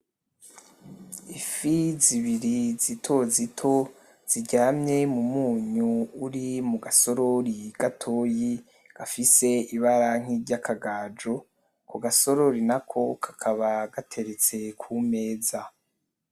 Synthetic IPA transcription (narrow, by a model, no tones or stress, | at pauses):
ifiziβiɾizitʰo̞zitʰo̞ | z̥iɟaːmɲe̞mumuːɲuuɾimuɡaso̞ɾoɾiɡ̥atʰoːji | ɡ̥afise̞iβaɾaŋ̥iɟakʰaɡaːd͡ʒo̞ | kuɡaso̞ɾo̞ɾinakʰo̞kʰḁkʰaβaɡatʰe̞ɾet͡se̞kʰume̞ːza